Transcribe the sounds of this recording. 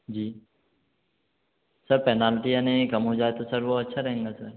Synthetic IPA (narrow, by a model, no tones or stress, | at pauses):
d͡ʒiː | sɐɾpɛːnaːlʈijanekɐmɦod͡ʒaːet̪osɐɾʋoɐtːʃʰaɾɐɦẽŋɡasəɾ